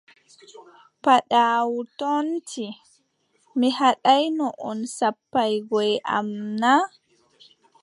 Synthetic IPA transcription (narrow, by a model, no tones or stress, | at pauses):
paɗaːwutɔntʰi | mihaɗajnɔʔɔnsapːajɡɔjʔa̰mna